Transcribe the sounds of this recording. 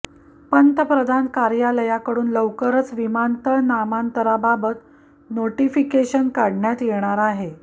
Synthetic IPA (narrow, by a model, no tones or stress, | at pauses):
pənt̪əpɾəd̪ʱankaɾjaləjakəɽuːnləʋkəɾət͡sʋimant̪əɭnamant̪əɾababət̪ | noʈifikeɕənkaɽɳjat̪jeɽ̃aɾaɦe